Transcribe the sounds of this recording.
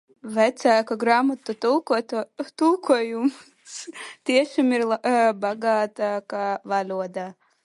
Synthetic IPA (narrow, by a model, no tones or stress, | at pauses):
væt̪sæːkaɡɾaːmɐt̪ut̪ulˠkut̪t̪ulˠkʰuɔjum | st̪iɛʃamiɾlˠabaɡaːt̪akaːvalʲuɔd̪aː